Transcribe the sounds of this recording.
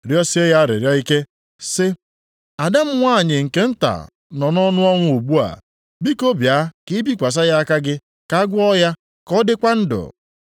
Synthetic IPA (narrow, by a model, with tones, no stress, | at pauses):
ɾjɔ˦sɪ˦e˦ja˦ɾɪ̰˨ɾja˦i˦ke˦ | sɪ˦ | a˨da˦m̩˦ŋʷaː˦˨ɲɪ˨ŋ̩˨ke˦n̩˦ta̰˨ | nɔ˨nɔ˦nʊ˦ɔ˦ŋʷʊ˦u˨ɡ͡bu˦a̰˨ | bi˦ko˦bja˨˦kɪ˦bi˦kʷa˨s̬a˦ja˦ka˦ɡɪ˦ | ka˦ɡʷʊ˦ɔ˦ja˦ | kɔ˦dɪ˦kʷa˦n̩˦dʊ̰˨